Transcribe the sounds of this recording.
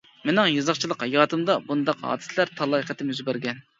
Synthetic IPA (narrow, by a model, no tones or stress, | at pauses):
menɪŋjɑzɑχt͡ʃʰilˠəqjɑːt̪ʰɨmd̪ɑbund̪ɑqɑ̰ːd̪ɨ̥slæɾt̪ʰɑlˠɑqʰɛt̪ʰɪmyzbæɾɡʲɛn